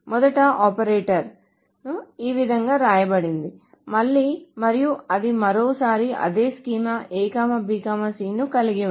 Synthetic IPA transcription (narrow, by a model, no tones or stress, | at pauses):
mɔd̪ɐʈɐʔɔːpɐɾeːʈɐɾ | iːʋid̪ʱɐŋɡaːɾaːjɐbɐɽind̪i | mɐɭːiːmɐɾijuɐd̪imɐɾoːsaːɾiʔɐ̰d̪eːskiːmɐʔeːkaːmɐbiːkaːmɐsiːnukɐliɡiʋ